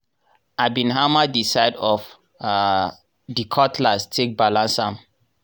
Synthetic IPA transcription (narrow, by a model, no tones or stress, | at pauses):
abĩnɦamadisaɪdɔf | dikʰɔtʰlastʰek̚balãnsãm